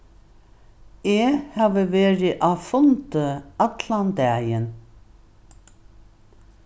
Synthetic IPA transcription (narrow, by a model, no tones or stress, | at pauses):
eːhɑːʋəʋeːɹɪʔaːfʊnt̪əat̪land̪ɛːjən